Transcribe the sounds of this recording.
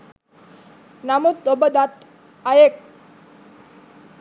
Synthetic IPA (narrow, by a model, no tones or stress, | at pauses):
namut̪obəd̪at̪ | ajek̚